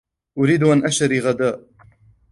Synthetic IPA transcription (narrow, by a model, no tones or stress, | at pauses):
ʔʊɾiːd̪ʔanʔaʃaɾiɣad̪aːʔ